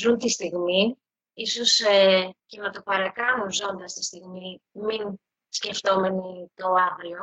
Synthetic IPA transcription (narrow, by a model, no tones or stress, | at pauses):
zunt̪ist̪iɣmi | iso̞secemɐt̪opɐɾɐkɐnunzo̞nd̪ɐst̪ist̪iɣmimin | sce̞ft̪o̞me̞nit̪o̞ɐvlo